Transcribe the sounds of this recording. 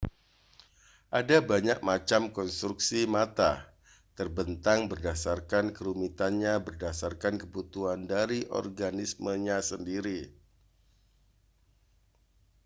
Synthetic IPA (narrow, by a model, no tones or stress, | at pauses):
ʔadabaɲak̚mat͡ʃamkɔnst̪ɾuksimat̪a̰ | t̪ərbənt̪aŋbərdasarkankəɾumit̪anɲabərdasarkankəbut̪uɦandaɾiʔɔ̰rɡanisməɲasəndiɾi